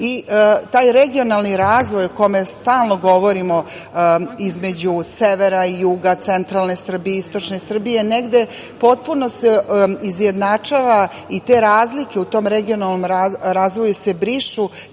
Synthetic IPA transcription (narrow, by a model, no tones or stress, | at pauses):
it̪aːjɾe̞ɡio̞nalˠniɾaːzʋo̞juko̞me̞st̪aːlˠno̞ɡo̞ʋo̞ɾimo̞ | izme̞d͡ʑuseʋeɾaijuːɡat̪se̞nt̪ɾalˠne̞sr̩bijeist̪o̞t͡ʂne̞sr̩bije̞neɡd̪e̞ | po̞t̪̚puno̞seizje̞d̪nat͡ʂaʋa | it̪e̞ːɾaːzlike̞ut̪o̞ːmɾeɡionalˠnomɾaɾaːzʋojuse̞bɾiʃu